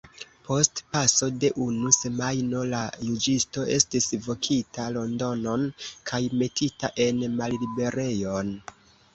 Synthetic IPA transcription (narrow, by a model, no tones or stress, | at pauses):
pʰo̞stpaso̞de̞ʔunuse̞majno̞lajud͡ʒisto̞ʔe̞stisvo̞kʰitalo̞ndo̞no̞nkʰajme̞tʰitaʔe̞nmallibe̞ɾe̞jo̞n